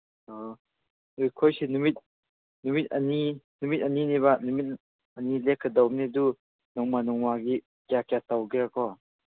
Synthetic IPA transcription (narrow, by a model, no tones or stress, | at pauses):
ɔ | nujkʰojsenumit̚ | numit̚ɐninumit̚ɐniniβanumit̚ | ɐnilekʰːɐdawnedu | nɔŋmanɔŋmaɡi | kjakjatawɡiɾakʰɔ